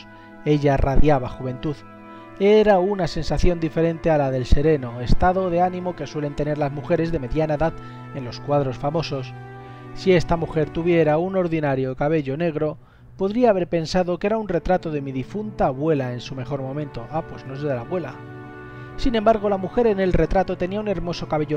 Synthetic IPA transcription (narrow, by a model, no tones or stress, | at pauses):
e̞ʎaraðjaβaxuβ̞ẽ̞nt̪uð | eɾaunase̞nsaθjo̞nd̪ife̞ɾẽ̞nt̪ealaðelse̞ɾe̞no̞e̞st̪aðo̞ðe̞anĩmo̞ke̞swe̞le̞nt̪e̞ne̞ɾlazmuxe̞ɾe̞zðe̞me̞ðjanaeðað | e̞nlo̞skwaðɾo̞sfamo̞so̞s | sie̞st̪amuxe̞ɾt̪uβ̞je̞ɾauno̞ɾðinaɾjo̞kaβe̞ʎo̞ne̞ɣ̞ɾo̞ | po̞ðɾiaːβe̞ɾpe̞nsaðo̞ke̞ɾaunre̞t̪ɾat̪o̞ðe̞miðifunt̪aːβwe̞lae̞nsume̞xo̞ɾmõ̞mẽ̞nt̪o̞ʔapwe̞zno̞eelaβwe̞la | sine̞mbaɾɣ̞o̞lamuxe̞ɾe̞ne̞lre̞t̪ɾat̪o̞t̪e̞niaune̞ɾmo̞so̞kaβe̞ʝo